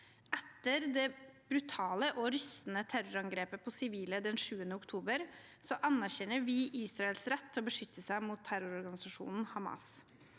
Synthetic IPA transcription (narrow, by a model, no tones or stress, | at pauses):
ʔɛt̪ːəɾd̪ɛb̥ɾʉt̪ʰɑːləʔɔɾʏst̪n̩ət̪ʰæɾʊɾɑŋɡɾeːpəpʰɔsɪʋiːləd̪ɛnʂʉːənəʊkt̪ʰuːbəɾ | sɔʔɑnːæɾçɛnːəɾʋɪʔiːsɾɑɛlsɾɛt̪ʰːɔbəʂʏt̪ʰːəsæɪmut̪ʰːæɾʊɾɔɾɡɑnɪsɑʂṵːnn̩hɑmɑ̰s